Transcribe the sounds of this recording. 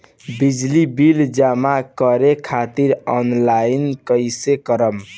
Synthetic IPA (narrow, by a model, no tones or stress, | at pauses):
bid͡ʒlibild͡ʒamakəɾekʰat̪iɾɔnlajinkəɪsekəɾəm